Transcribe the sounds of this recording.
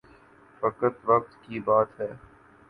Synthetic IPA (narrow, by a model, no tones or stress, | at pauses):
fɐkət̪ʋɐk̚t̪kibaːt̪ɦɛː